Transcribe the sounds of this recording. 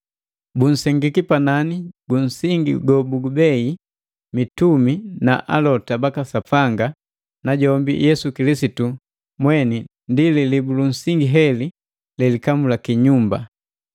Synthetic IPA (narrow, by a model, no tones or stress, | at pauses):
bun̩sɛŋɡikipananiɡun̩siŋɡḭɡɔbuɡubɛi | mitumina̰ʔalɔtabakasapaŋɡa | naɟɔmbḭjɛsukilisitu | mwɛni | ndililibulun̩siŋɡiɦɛli | lɛlikamulakiɲumba̰